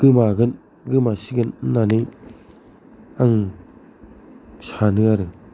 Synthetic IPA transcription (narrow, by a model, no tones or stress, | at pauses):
ɡ̥ɯmaɡɯn | ɡɯmasiɡɯnnːani | aŋ | sʰanɯaɾɯ